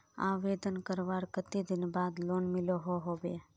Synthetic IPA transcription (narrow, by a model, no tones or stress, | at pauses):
a̰ʋed̪ənkəɾʋaɾkət̪id̪ɪnbaːd̪loːnmɪloɦoɦobe